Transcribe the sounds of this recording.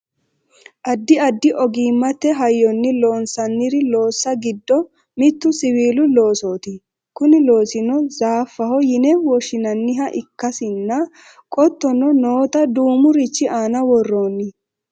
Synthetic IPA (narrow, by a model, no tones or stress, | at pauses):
ʔɐd̪ːɪɐd̪ːɪʔɔɡiːmːɐt̪ːɛɦɐjːɔnːɪlo̞ːnsɐnːɪɾɪlo̞ːsːɐɡɪd̪ːɔ | mɪt̪ːʊsɪwiːlʊlo̞ːso̞ːt̪ɪ | kʊnɪlo̞ːsɪnɔzaːfːɐhɔjɪnɛwɔʃɪnɐnːɪɦɐʔɪkːɐsɪnːɐ | kʼɔt̪ːɔnɔnoːt̪ɐd̪uːmʊɾɪt͡ʃːɪaːnɐwɔrːoːnːɪ